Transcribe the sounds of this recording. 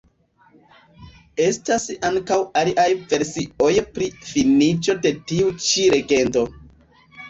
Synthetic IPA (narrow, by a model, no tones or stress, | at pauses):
e̞stasaŋkawaliʔajve̞ɾsio̞jpɾifinit͡ʃo̞de̞tiut͡ʃiɾe̞ɡe̞nto̞